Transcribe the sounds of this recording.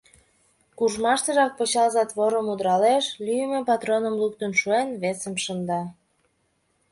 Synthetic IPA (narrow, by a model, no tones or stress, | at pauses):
kuʒmɑʃt̪əʒɑk̚pət͡ɕɑlzɑt̪βoɾəmud̪ɾɑleʃlyjəmepɑt̪ronəmlukt̪ənʃuenβesəmʃənd̪ɑ